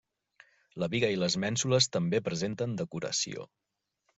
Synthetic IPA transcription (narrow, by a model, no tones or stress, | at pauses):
ləβiɣəiləzmɛnsuləst̪əmbepɾəzent̪ənd̪əkuɾə̰sḭo̰